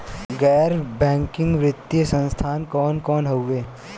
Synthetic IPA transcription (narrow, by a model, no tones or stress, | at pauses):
ɡɛːɾbɛ̃ːŋkɪ̃ŋɡʋɾɪt̪ːijəsə̃nst̪ʰaːnkɔːnkɔːnɦəwʋeː